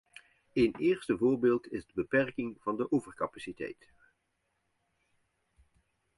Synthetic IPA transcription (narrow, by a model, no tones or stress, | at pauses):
ejnɪːɹstəvʊːɹbɪːlˠtɪzdəbəpɛrkɪŋv̥ɑndəʔɔvəɹkɑpasitɛ̰jt